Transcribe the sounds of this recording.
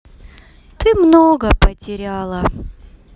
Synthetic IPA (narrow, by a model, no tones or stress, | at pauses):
t̪ɨmnoɡəpətʲɪɾʲalˠə